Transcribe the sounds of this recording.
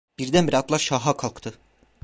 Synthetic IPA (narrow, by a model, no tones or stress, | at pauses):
b̥iɾd̪ænbiɾat̪lˠaɾʃaːɦakʰalˠkt̪ʰɯ